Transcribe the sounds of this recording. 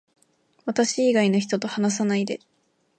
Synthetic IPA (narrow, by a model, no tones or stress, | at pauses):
βat̪aɕiːɡainoçi̥t̪o̞t̪o̞hanas̬anaid̪e̞